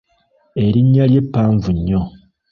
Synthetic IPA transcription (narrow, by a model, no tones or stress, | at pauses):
e̞ɾiɲːalje̞pːaːɱvuɲːo